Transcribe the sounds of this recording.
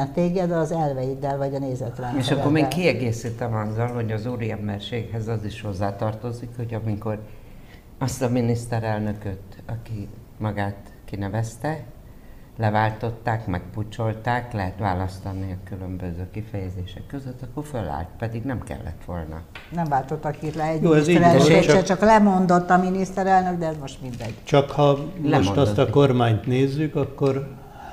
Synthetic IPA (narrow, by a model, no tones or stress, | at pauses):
ɛt̪eːɡɛd̪ɒzɛrvɛjid̪ɛlvɒɟɒneːzɛt̪ɾɛneːʃɒkkːo̞rmeːkiɛɡeːsit̪ɛmɒzːɒlho̞ɟɒzuːɾiɛmbɛrʃeːkɦɛzɒziʃho̞zːaːt̪ɒrt̪o̞zikho̞ɟɒmiko̞r | ɒst̪ɒminist̪ɛɾɛlnø̞køt̪ɒki | mɒɡaːt̪ | kinɛvɛst̪ɛ | lɛvaːlt̪o̞t̪ːaːkmɛk̚put͡ʃo̞lt̪aːklɛɦɛt̪ʋa̰ːlɒst̪ɒniɒkylømbøzøːkifɛjɛzeːʃɛkːøzøt̪ːɒkːorfølːa̰ːlt̪pɛd̪iɡnɛmkɛ̰lːɛ̰t̪ʋo̞̰lnɒ̰nɛɱvaːlt̪ot̪ːɒkiːt̪lɛɛjoːɛziɾɛeɛt͡ʃɒklɛmo̞nd̪ot̪ːɒminist̪ɛɾɛlnøɡd̪ɛɛzmoʃt̪mind̪ɛd̪t͡ʃɒkhɒlmlɛomʃmot̪ɒst̪ɒkormaːɲt̪neːzːykɒkːor